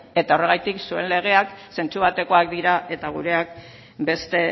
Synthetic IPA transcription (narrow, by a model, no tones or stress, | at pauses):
e̞t̪ao̞re̞ɣ̞ajt̪iksue̞̰nle̞ɣ̞e̞akse̞nt͡suβat̪e̞ko̞akd̪iɾaʔe̞t̪aɣ̞ṵɾe̞ak̚ | be̞st̪e̞